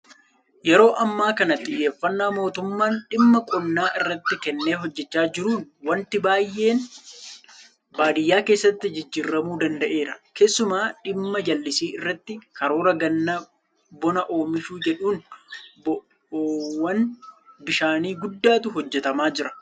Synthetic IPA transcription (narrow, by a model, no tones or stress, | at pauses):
jɛɾo̞ːʔɐmːaːkɐnɐt̪ʼɪjːe̞ːfːɐnːaːmo̞ːt̪ʊmːaːnᶑɪmːɐkʼɔnːaːʔɪrːɐt̪ːɪkɛnːeːɦɔd͡ʒːɛt͡ʃːaːd͡ʒɪɾuːnwɐnt̪ɪbaːjːe̞ːn | baːd̪ɪjːaːke̞ːsːɐt̪ːɪd͡ʒɪd͡ʒːiːɾːɐmuːd̪ɐnd̪ɐʔe̞ːɾɐke̞ːsːʊmaːᶑɪmːɐd͡ʒɐlːɪsiːɪrːɐt̪ːɪkɐɾo̞ːɾɐɡɐnːɐ | bɔnɐʔo̞ːmɪʃuːd͡ʒɛᶑuːnb | wɐnbɪʃaːniːɡʊd̪ːaːt̪ʊɦɔd͡ʒːɛt̪ɐmaːd͡ʒɪɾɐ̥